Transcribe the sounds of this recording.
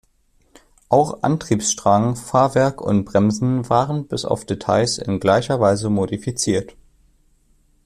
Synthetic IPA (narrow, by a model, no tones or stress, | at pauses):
ʔaʊxʔa̰ntʁ̥iːpsʃtʁ̥aːŋŋ̩faːɐvɛɐkʰʊ̰nt̚b̥ʁɛmzn̩vaːʁənbɪsa̰ʊfd̥etʰaɪsɪ̰nɡlaɪçɐvaɪzəmodifit͡siːɐt